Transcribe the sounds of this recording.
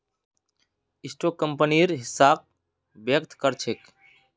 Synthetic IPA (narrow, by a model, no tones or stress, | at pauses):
ɪsʈoːkːəmpəniɾɦɪsaːk̚ | bjəkt̪ʰkəɾt͡ʃʰek